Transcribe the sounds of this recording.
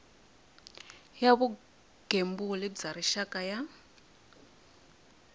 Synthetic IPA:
jaβu | ɡ̥ʱembulid͡zaɾiʃakʼaja

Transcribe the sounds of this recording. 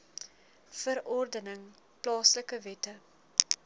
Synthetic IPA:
fəɾɔrdənəŋ | plɑːsləkəvɛtə

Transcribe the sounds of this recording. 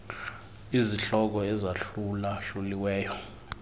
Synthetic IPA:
iziɬɔk̬ɔɛzaɬulaɬuliwɛːjɔ

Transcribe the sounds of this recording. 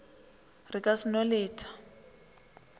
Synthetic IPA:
rikʼasinɔleːtʰḁ

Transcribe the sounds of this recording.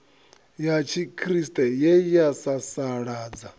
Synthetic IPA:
jat͡ʃʰikʰɾistʼɛjɛjasasaɺaːd͡za

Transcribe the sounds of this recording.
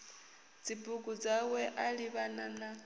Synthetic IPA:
d͡zibuɡud͡zawɛʔaliβanana

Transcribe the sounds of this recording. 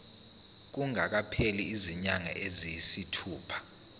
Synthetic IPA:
k̬uŋak̬apʰeliːziɲaŋa̰ʔezijisitʰuːpʰḁ

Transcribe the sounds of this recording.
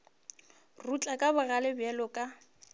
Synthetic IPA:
rut͡ɬʼakʼabʊɣalɪbjɛlʊkʼa

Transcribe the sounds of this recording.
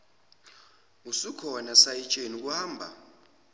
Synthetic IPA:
usikʰɔnasajit͡ʃʼenuk̬ʼuhaːmbʱa̰

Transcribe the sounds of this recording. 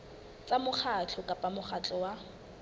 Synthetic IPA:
t͡sʼamʊχʰat͡ɬʰɔkʼapʼamʊχat͡ɬʼɔwa

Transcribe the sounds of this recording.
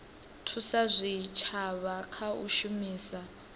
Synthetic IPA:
tʰusazʷit͡ʃʰaβakʰaṵʃumiːsa

